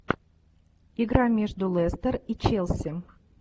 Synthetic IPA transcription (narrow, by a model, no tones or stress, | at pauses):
ɪɡɾamʲeʐd̪ʊlˠɛst̪ərit͡ɕelˠsʲɪ